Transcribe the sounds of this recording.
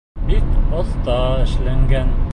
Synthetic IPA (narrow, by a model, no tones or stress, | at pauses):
bikoθt̪ɑɘ̆ʃlæŋɡæn